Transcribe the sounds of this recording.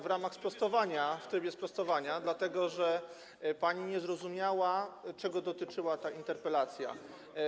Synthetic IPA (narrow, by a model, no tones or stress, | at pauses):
vɾamaxspɾɔst̪ɔvaɲaft̪ɾɘbʲjɛspɾɔst̪ɔvaɲad̪lat̪ɛɡɔʐɛ | paɲiɲɛzɾɔzumʲjawat͡ʂɛɡɔd̪ɔt̪ɘt͡ʂɘwat̪aint̪ɛɾpɛlat̪sʲja̰